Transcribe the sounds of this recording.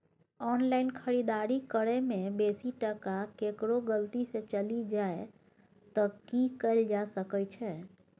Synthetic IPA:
ɔnlaɪnkʰəɾid̪aɾikəɽemebesiʈəkakekɾoɡəlt̪isẽt͡ʃəlid͡ʒae | t̪ɔkikəld͡ʒasəkət͡ʃʰɛ

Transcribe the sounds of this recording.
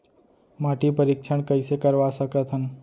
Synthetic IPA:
maʈipəɾikʃʰəɳkəisekəɾʋasəkət̪ʰɦən

